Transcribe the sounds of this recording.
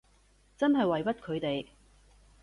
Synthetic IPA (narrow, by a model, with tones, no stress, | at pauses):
t͡sɐ˥nɦɐ˨jwɐ˨jpɐ˥t̚kʰɵ˨˧ɥt̪e˨j